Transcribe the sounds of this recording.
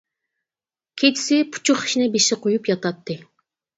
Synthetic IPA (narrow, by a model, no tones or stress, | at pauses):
kʲʰet͡ʃ̪ʰɪ̥sɪpʰu̥t͡ʃʰuχi̥ʃinɪbeʃɪqʰojupjɑt̪ɑt̪ːɨ